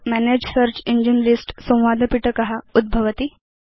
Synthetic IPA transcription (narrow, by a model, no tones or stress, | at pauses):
mæned͡ʑsəɾt͡ɕiɲd͡ʑənlisʈsə̃w̃ʋad̪ʱəpiʈəkɐɦaud̪̚bʱəʋət̪i